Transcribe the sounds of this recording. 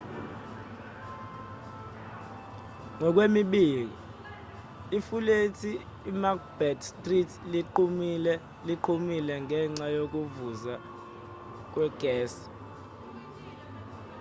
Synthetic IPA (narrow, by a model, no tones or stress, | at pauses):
ŋɔk̬wemiɓiːl̬ḭ | ifuletʰiː | mak̚bɛdstʼritʰliǃʰumilɛ | liǃʰumilɛŋɛŋ͡ǀajok̬uvuza | k̬wɛɡ̥ʱɛːs